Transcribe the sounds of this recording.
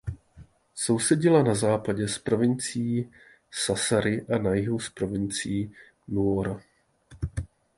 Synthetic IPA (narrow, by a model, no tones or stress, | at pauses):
so̞wsɛɟɪlanazaːpaɟɛspɾo̞vɪnt͡sɪjiː | sasaɾɪʔanajɪɦuspɾo̞vɪnt͡sɪjiː | nuoɾa